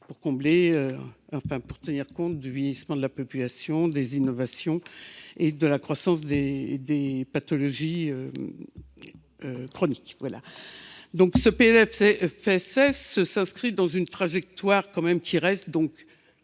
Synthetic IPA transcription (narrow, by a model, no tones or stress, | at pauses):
puʁkɔ̃bleøɑ̃fɛ̃puʁt̪əniʁkɔ̃t̪̚d̪yvjɛjismɑ̃d̪əlapɔpylasjɔ̃d̪ezinɔvasjɔ̃ed̪əlakχwasɑ̃sd̪ed̪epat̪ɔlɔʒiø | økχɔnikvwala̰d̪ɔ̃ksəpeɛɛffɛsɛsːəsɛ̃skχid̪ɑ̃zynt̪χaʒɛk̚t̪waʁkɑ̃mɛmkʲʰiʁɛst̪̚d̪ɔ̃k